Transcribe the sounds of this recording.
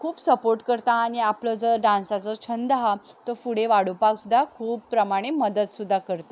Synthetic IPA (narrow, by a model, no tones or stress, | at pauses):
kʰuːpsəpoɾʈkəɾt̪aːɽ̃iapləːd͡zəɖãnsat͡sət͡ɕʰənd̪ɦat̪əfuɽeʋaɽ̤opaksud̪ʱakʰuːppɾəmaɽ̃eməd̪əd̪sud̪ʱːakəɾt̪a